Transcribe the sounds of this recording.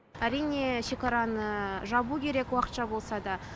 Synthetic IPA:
æɾijne̞ʃe̞kɑɾɑnəʒɑbukʲʰe̞ɾekwɑqət̪ʃɑbo̞lˠsɑd̪ɑ

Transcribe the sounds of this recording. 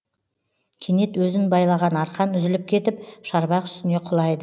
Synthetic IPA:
kʲʰene̞t̪wɵzɪnbɑjlˠɑʁɑnɑɾqɑnʏzɪlɪp̚kʲʰe̞t̪ɪpʃɑɾbɑqʏ̥st̪ɪne̞qʰʊlˠɑjd̪ə

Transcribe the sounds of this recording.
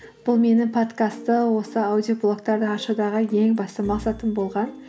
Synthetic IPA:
b̥ʊlˠme̞nɪŋpʰo̞t̪kast̪əwo̞səawd̪ijoplˠokt̪ɑɾd̪əɑʃɑd̪ɑʁəje̞ŋbɑst̪əmɑqsɑt̪əmbo̞lˠʁɑn

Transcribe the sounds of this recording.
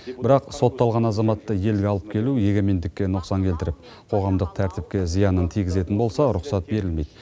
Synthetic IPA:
bɪɾɑqso̞t̪ːɑlˠʁɑnɑzɑmɑt̪ːəje̞lɡʲeɑlˠəp̚kʲʰe̞luje̞ɡʲe̞me̞nd̪ɪkʲːe̞nʊqsɑŋkʲʰe̞lt̪ɪɾɪp̚ | qʰo̞ʁɑmd̪əq̚t̪ʰæɾt̪ɪp̚kʲe̞zijɑnənt̪ʰijɡʲɪze̞t̪ɪnbo̞lˠsɑɾʊqsɑt̪̚be̞ɾɪlme̞jd̪ɪ

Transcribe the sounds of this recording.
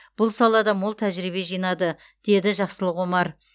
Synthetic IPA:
b̥ʊlˠsɑlˠɑd̪ɑmolˠt̪ʰæʒɾibe̞ʒijnɑd̪ə | d̪̥e̞d̪ɪʒɑqsəlˠəqwo̞mɑɾ

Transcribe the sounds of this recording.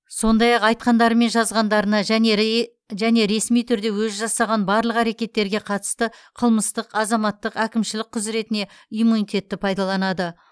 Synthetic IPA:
so̞nd̪ɑjɑqɑjt̪̚qɑnd̪ɑɾəme̞nʒɑzʁɑnd̪ɑɾənɑʒæe | ʒæne̞ɾe̞smijt̪ʰʏɾd̪e̞wɵzʒɑsɑʁɑnbɑɾlˠəqæɾe̞kʲe̞t̪ːe̞ɾɡʲe̞qʰɑt̪ə̥st̪əqʰəlˠməst̪əqɑzɑmɑt̪ːəqækʲɪmʃɪlɪk̚qʰʊzɾe̞t̪ɪne̞ | imunijt̪ʰʲe̞t̪ːɪpʰɑjd̪ɑlˠɑnɑd̪ə

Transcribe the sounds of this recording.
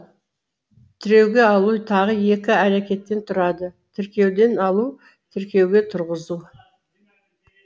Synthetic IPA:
t̪ʰɪɾe̞wɡʲe̞ɑlˠut̪ʰɑʁəje̞kʲɪæɾekʲe̞t̪ːe̞nt̪ʰʊɾɑd̪ət̪ʰɪɾkʲe̞wd̪e̞nɑlˠu | t̪ʰɪɾkʲe̞wɡʲe̞t̪ʰʊɾʁəzu

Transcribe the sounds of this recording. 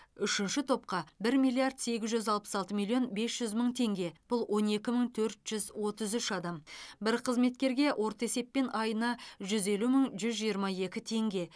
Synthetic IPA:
ʏʃɪnʃɪt̪ʰo̞p̚qɑbɪɾmijlˠiaɾd̪se̞ɡʲɪzʒʏzɑlˠpə̥sɑlˠt̪əmʲilʲˠːjo̞nbe̞sʒ̥ʏzməɴt̪ʰe̞ŋɡʲe̞b̥ʊlˠwʔo̞ne̞kʲɪməɴt̪ʰɵɾt̪ʒ̥ʏzwo̞t̪əzʏʃɑd̪ɑmbɪɾqʰəzme̞t̪̚kʲe̞ɾɡʲe̞wʔo̞ɾt̪əe̞se̞pːe̞nɑjənɑʒʏze̞luməɴʒʏzʒijəɾmɑje̞kʲɪt̪ʰe̞ŋɡʲe̞

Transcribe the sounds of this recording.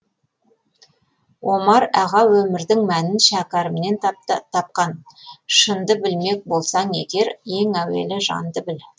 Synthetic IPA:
wo̞mɑɾæʁɑwɵmɪɾd̪ɪŋmænɪnʃækɑɾəmne̞nt̪ʰɑp̚qɑnʃənd̪əbɪlme̞k̚bo̞lˠsɑɴe̞̰ɡʲe̞ɾje̞ŋæwe̞̰lɪʒɑ̰nd̪əbɪl

